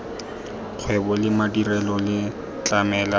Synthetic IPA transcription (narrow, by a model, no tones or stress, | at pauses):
q͡χʰwɛbɔlɪmadirɛlɔlɪ | t͡ɬʼamɛːla